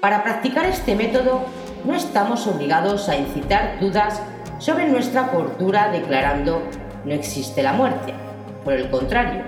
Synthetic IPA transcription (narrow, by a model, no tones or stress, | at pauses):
paɾapɾak̚t̪ikaɾe̞st̪e̞me̞t̪o̞ðo̞ | no̞e̞st̪amo̞so̞βliɣað̞o̞sainθit̪aɾd̪uðasː | o̞βɾe̞nwe̞st̪ɾapo̞ɾt̪uɾaðe̞klaɾand̪o̞ | no̞e̞ksist̪e̞lamwe̞ɾt̪e̞ | po̞ɾe̞lko̞nt̪ɾaɾjo